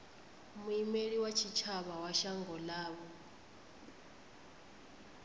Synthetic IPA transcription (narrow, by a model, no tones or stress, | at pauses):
muimeɺiwat͡ʃʰit͡ʃʰaβawaʃaŋɡɔlaːβɔ